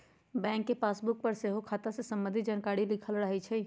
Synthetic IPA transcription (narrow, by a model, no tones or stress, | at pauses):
bɛ̃ŋkːepaːsbuk̚pəɾseɦokʰat̪asesəmbə̃nd̪ʱid͡ʒankaɽilikʰəlɾəɦɛt͡ʃʰɛ